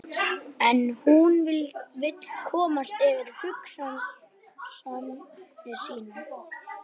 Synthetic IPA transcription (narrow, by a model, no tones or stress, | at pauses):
ɛnhunvɪlvɪt̪l̥kʰɔːmast̪ɪvɪɾhʏksan | samːɛsiːna